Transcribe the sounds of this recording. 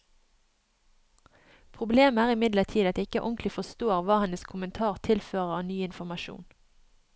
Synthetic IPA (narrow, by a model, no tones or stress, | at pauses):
pʰʁʊbleːmæːʁɪmɪd̪ləʁt̪ʰiːd̪ɑt̪ːɪkəʔɔŋklɪfɔst̪oːʁʋɑːhɛnəskʰʊmənt̪ʰɑːʁt̪ʰɪlføːʁəɑːnyːɪnfɔmɑʃṵːn